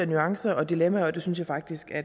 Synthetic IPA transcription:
ænyɑ̈ŋsɐʔɒ̽d̥ilemæɒ̽d̥e̝synsjɑ̈ɪfɑ̈ɡ̥̚d̥isɡ̥æɐ

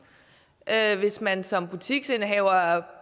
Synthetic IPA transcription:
ʔøʋe̝smænsɒ̽mb̥ut͡sʰiɡ̥se̝nɦɛʊɐ

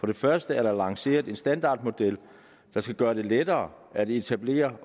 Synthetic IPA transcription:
fɒ̽d̥ɾe̝fɶɐsd̥əæɐɾ̥ɑ̈lɑ̈ŋse̝̰ːɐðˠe̝nsd̥ænd̥ɑ̰̈ːd̥mo̝d̥el̰ | d̥ɑ̈sɡ̥æɡ̥ɶːɐɾ̥e̝led̥ɐː | æd̥eet͡sʰæb̥le̝̰ːɐ

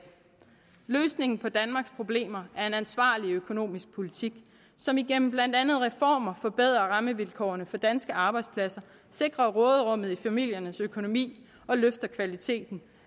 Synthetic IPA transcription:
løːsne̝ŋn̩pʰɒ̽d̥ænmɑ̈ɡ̥spʰʁo̝b̥le̝̰ːmɐæɐe̝nænsʋɑ̰̈ːliøkʰo̝no̝̰ːmisɡ̥̚pʰo̝lit͡sʰiɡ̥ | sɒ̽miɡ̥en̰m̩b̥læn̰d̥ænð̩ˠʁɛfɒ̰ːmɐfɒ̽b̥eð̞̰ˠʁɐʁɑ̈məʋilkʰɒ̰ːnəfɒ̽d̥ænsɡ̥əɑ̈ːb̥ɑ̈ɪ̥spʰlæsɐ | se̝ɡ̥ʁɐʁɔ̽ːð̩ˠʁɔ̽m̰ð̩ˠifæmil̰jɐnəsøkʰo̝no̝mḭː | ɒ̽løfd̥ɐkʰʋælit͡sʰe̝̰ːd̥n̩

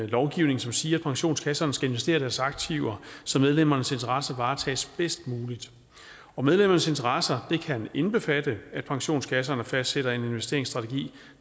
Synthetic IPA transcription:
lɒʊɡ̥iʊ̰ne̝ŋn̩sɒ̽msiːɐæd̥̚pʰɑ̈ŋɕo̝̰ːnskʰæsɐːnsɡ̥æe̝nʋesd̥e̝̰ːɐɾ̥æɐsɑ̈ɡ̥̚t͡sʰiʊɐsɒ̽með̞ˠlem̰ɐnəse̝nt͡sʰɐʁɑ̈sɐʋɑ̈ːt͡sʰɛ̰ːsb̥esd̥̚muːlid̥ | ɒ̽með̞ˠlemɐnəse̝nt͡sʰɐʁɑsɐd̥e̝kʰæne̝nb̥e̝fæd̥əæd̥̚pʰɑ̈ŋɕo̝̰ːnskʰæs̬ɐnəfæsd̥seɾ̥ɐe̝ne̝nʋesd̥e̝ɐ̰eŋsd̥ʁɑ̈t͡sʰeɡ̥ḭː

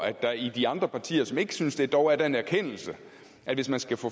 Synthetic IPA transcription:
æ̥ɑid̥iɑ̈nd̥ʁɐpʰɑ̈t͡sʰḭːɐsɒ̽me̝ɡ̥əsynsd̥e̝d̥ɒʊæɐd̥æe̝næɐkʰen̰l̩sə | ʔæʋe̝smænsɡ̥æfɔ

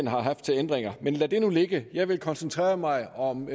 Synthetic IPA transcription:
nɦɑ̈ɦɑ̈fd̥̚t͡sʰe̝lend̥ʁeŋɐmenlæd̥e̝nule̝ɡ̥əjɑ̈ɪʋe̝lkʰɒ̽nsənt͡sʰʁɛ̰ːɐmɑ̈ɪɒ̽m

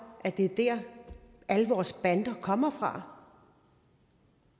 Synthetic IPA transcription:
ʔæd̥e̝d̥æɐ | ʔæləʋɒːsb̥ænd̥ɐkʰɒ̽m̰ɐfʁɑ̈

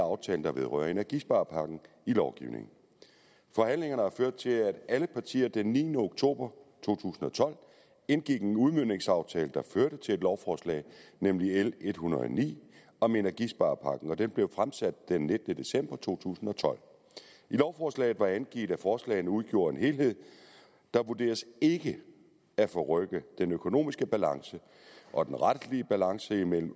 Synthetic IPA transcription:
ɑ̈ʊt͡sʰɛ̰ːln̩d̥ɑ̈ʋe̝ð̞ˠʁœ̰ɐ̰e̝næɐɡ̥isb̥ɑ̈ːpʰɑ̈ɡ̥n̩ | ilɒʊɡ̥ḭʊne̝̰ŋn̩ | fɒ̽ɦæn̰le̝ŋɐnəhɑ̈føɐd̥̚t͡sʰe̝læd̥æləpʰɑ̈t͡sʰḭːɐd̥enːiːnəoɡ̥̚t͡sʰo̝̰ːb̥ɐt͡sʰo̝̰ːt͡sʰṵːsn̩ɒ̽t͡sʰɒ̽l̰ | e̝nɡ̥iɡ̥enuð̞ˠmøn̰e̝ŋsɑ̈ʊt͡sʰɛːləd̥ɑ̈føɐɾ̥ət͡sʰe̝e̝d̥lɒʊfɒːslɛ̰ɪnemliele̝d̥hunɐð̩ˠɒ̰nḭː | ɒ̽me̝næɐɡ̥isb̥ɑ̈ːpʰɑ̈ɡ̥n̩ɒ̽d̥enb̥le̝ʊfʁamsæd̥̚d̥enːed̥ənəd̥e̝sem̰b̥ɐt͡sʰo̝̰ːt͡sʰṵːsn̩ɒ̽t͡sʰɒ̽l̰ | ʔilɒʊfɒːslɛ̰ɪð̩ˠʋɑ̈ænɡ̥ḭːd̥æfɒːslɛ̰ɪnəuð̞ˠɡ̥jo̝ːɐe̝nɦe̝ːlɦe̝ð̞̰ˠ | d̥ɑ̈ʋuɐd̥e̝̰ːɐse̝ɡ̥ə | æfɒ̽ʁœɡ̥əd̥enøkʰo̝no̝̰ːmisɡ̥əb̥ælɑ̈ŋsə | ʔɒ̽d̥enʁad̥liəb̥ælɑ̈ŋsəimel̰m̩

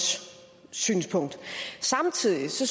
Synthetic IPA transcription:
s | sy̰ːnspʰɔ̽ŋ̰d̥sɑ̈mt͡sʰið̰ˠisɒ̽s

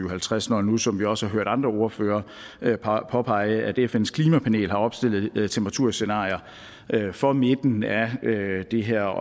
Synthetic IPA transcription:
yɦælt͡sʰʁasnɒnusɒ̽mʋiɒ̽sə̥hɑ̈ɦøɐ̰ɾ̥ɑ̈nd̥ʁɐo̝ɐføːɐː | pʰɒ̽pʰɑ̈ɪ̰əʔæd̥efen̰skʰliːmæpʰæne̝̰ːlɦɑ̈ɒ̽b̥sd̥e̝l̰ð̩ˠt͡sʰempʰʁɑt͡sʰuɐ̰senɑ̰̈ːjɐ | ʔøfɒ̽me̝d̥n̩æød̥e̝ɦeɐ̰

